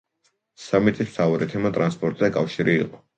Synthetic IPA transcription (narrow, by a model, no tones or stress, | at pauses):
samit̪sʼist̪ʰauɾɛt̪ʰɛmat̪ʼɾanspʼɔɾt̪ʼzakʼafʃiɾḭːqʼɔ